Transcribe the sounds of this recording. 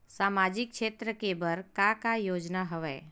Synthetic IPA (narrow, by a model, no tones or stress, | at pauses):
saːmad͡ʒɪk̚kʃet̪ɾəkebəɾkakajoːd͡ʒnaɦəʋɛː